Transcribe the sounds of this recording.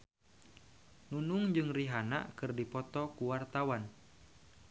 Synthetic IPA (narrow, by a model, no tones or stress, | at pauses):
nunuŋd͡ʒɨŋriɦana̰kɨrdipɔt̪ɔkuwart̪awan